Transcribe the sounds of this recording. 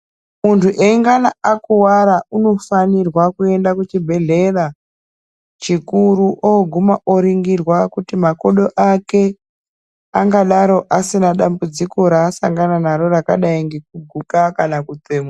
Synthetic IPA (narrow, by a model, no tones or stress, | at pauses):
muntʰuʔeŋɡanaakuwaɾauno̞fanirwakue̞ndakut͡ʃibʱe̞ɮe̞ɾa | t͡ʃikuɾuʔoɡʱumaʔoɾiŋɡirwakutimakoɗo̞ʔake̞ | aŋɡaɗaɾo̞ʔasinaɗambud͡ziko̞ɾaːsaŋɡananaɾo̞ɾakaɗaiŋɡek̚uɡʱukakanakuteːmo